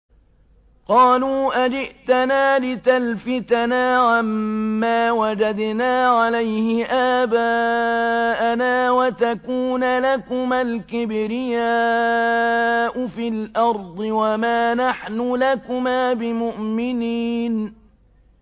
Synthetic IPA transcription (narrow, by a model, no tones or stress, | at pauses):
qɑːluːʔad͡ʒɪʔt̪anaːlɪt̪alfɪt̪anaːʕamːaːwad͡ʒad̪naːʕalajhɪʔaːbaː | ʔanaːwat̪akuːnalakʊmalkɪbɾɪjaː | ʔʊfiːlʔɑɾˤd̪ˤɨwamaːnaħnʊlakʊmaːbɪmʊʔmɪniːn